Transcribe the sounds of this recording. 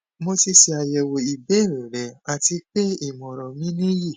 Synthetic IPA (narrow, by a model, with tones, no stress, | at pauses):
mo˧ti˧ʃi˧a˨jɛ˨wo˨i˨be˨˦˨ɾĩ˨ɾɛ˨a˨ti˧k͡pe˦i˦˨mɔ̃˨ɾɔ˨mĩ˦nĩ˦ji˦˨